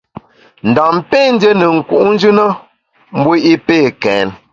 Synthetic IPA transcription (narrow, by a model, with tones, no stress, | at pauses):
n̩˨da˨mpe˦˨n̩˦də˦nə˨ŋ̩˨ku˨ʔn̩˦d͡ʒʉ˦nə˦ | m̩˦bu˦ʔi˦peː˦˨kɛː˨˦n